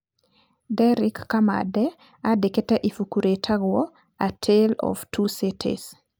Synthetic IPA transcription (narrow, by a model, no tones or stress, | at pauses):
dɛɾikːama̰dɛ | adeketaʔifukuɾetʰaɡwɔ | atʰelɔ̰ftʰusitʰḛs